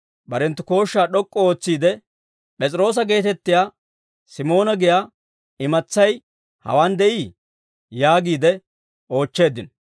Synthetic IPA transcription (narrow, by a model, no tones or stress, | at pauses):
bɐɾɛnt̪ːʊko̞ːʃːaːɗɔkʼːɔo̞ːt͡sːiːd̪ɛ | pʼɛt͡sʼɪɾo̞ːs̬ɐɡe̞ːt̪ɛt̪ːɪjaː | sɪmo̞ːnɐɡɪjaː | ɪmɐt͡sːɐj | hɐ̰waːnd̪ɛʔiː | jaːɡiːd̪ɛ | o̞ːt͡ʃːe̞ːd̪ɪn